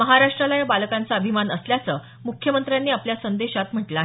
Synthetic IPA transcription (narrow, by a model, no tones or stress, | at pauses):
məɦaɾaʂʈɾəlajabalkant͡saəbʱimanəsljat͡səː | mukʰːjəmənt̪ɾjanːiapljasənd̪eɕat̪m̤əʈlaɦ